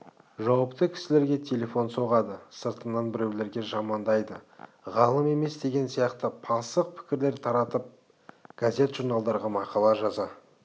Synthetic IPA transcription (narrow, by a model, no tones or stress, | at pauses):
ʒɑwɑpt̪əkʲʰɪ̥sɪle̞ɾɡʲe̞t̪ʰe̞lʲe̞fo̞nso̞ʁɑd̪əsəɾt̪ənːɑnbɪɾe̞wle̞ɾɡʲe̞ʒɑmɑnd̪ɑjd̪əʁɑlˠəme̞me̞sd̪e̞ɡʲe̞nsijɑqt̪əpʰɑsəq̚pʰɪ̥kʲɪɾle̞ɾt̪ʰɑɾɑt̪əp̚ | ɡ̥azʲe̞t̪ʒ̥uɾnɑlˠd̪ɑɾʁɑmɑqɑlˠɑʒɑzɑ